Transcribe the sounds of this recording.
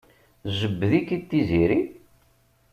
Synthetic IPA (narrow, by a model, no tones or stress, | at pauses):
ʒəbːəðikːit̪ːiziɾi